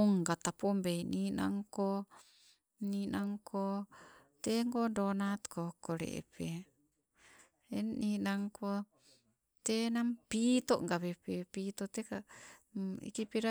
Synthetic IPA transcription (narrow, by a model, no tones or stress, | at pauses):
ŋɡat̪apombeinina̰ŋko | ninaŋkʰot̪eŋɡodonat̪kokoɾḛʔḛpe | enninaŋko | t̪enampit̪oʔŋɡaβepepit̪ot̪eka | ḭkipiɾa